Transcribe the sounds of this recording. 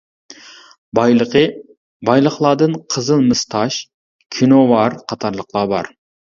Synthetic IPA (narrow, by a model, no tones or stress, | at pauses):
bɑjlqə | bɑjlˠəχlˠɑːd̪ɨnqʰəzɨlˠmɨst̪ʰɑʃ | kʲʰinowɑɾqʰɑt̪ʰɑɾlˠəqlˠɑbɑ̰ɾ